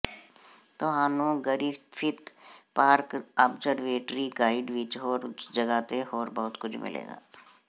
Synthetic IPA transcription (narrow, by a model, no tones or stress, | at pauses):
t̪oɦaːnõɡəɾifʰɪt̪paːɾkəbd͡ʒəɾʋeːʈɾiɡaːɪɖʋɪt͡ʃɦoːɾd͡ʒɐɡaːt̪eɦoːɾbɐɦʊt̪kʊd͡ʒʰmɪ̰lḛːɡa̰ː